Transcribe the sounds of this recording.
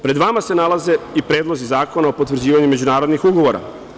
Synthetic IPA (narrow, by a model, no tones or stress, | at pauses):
pɾe̞d̪ʋamase̞nalˠaze̞ipɾe̞ːd̪lozizaːko̞naopot̪ʋr̩d͡ʑiːʋaɲume̞d͡ʑunaːɾo̞d̪nixuɡo̞ʋo̞ɾa̰